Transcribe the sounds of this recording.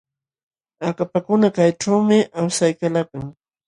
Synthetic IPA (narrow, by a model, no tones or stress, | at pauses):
akapakʊnakajʈ͡ʂawmɪʔawsajkalakʊŋ